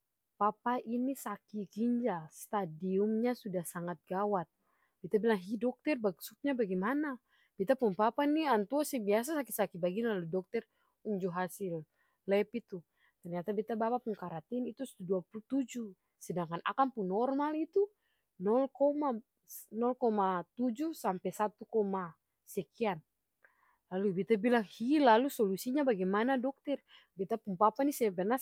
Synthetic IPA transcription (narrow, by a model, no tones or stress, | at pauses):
papaʔinisakiɡiɲd͡ʒast̪adiumɲasudahsaŋat̪̚ɡawat̪̚ | b̥it̪abilaŋɦidɔk̚t̪ɛrbaksuk̚ɲabaɡimana | b̥it̪apunpapaniant̪uɔsibias̬asakisakibaɡinlaludɔk̚t̪ər | uɲd͡ʒuɦasɪl | lɛpit̪u | t̪ɛrɲat̪abit̪abapapuŋkaɾat̪init̪usḁt̪uduapulut̪ud͡ʒu | sɛdaŋkana̰kanpunːɔrmalit̪u | nɔlkɔma | nɔlkɔmat̪ud͡ʒusampɛsat̪ukɔma | sɛkian | lalubit̪abilaŋhilalusɔlusiɲabaɡɛmanadɔk̚t̪ɛr | bit̪apuŋpapanisɛbɛrna